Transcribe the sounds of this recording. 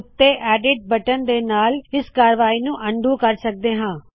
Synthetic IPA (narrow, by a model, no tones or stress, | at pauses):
ʊt̪ːeːʔɛːɖɪʈ̚bəʈənd̪eːnaːlɪskaːɾʋaːiːnũːʔəɳɖũːkəɾsək̚d̪eːɦãː